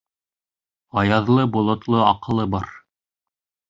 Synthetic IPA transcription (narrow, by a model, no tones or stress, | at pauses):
ɑjɑðlˠɤbŏlˠŏt̪lˠɤɑqɤ̆lˠɤbɑɾ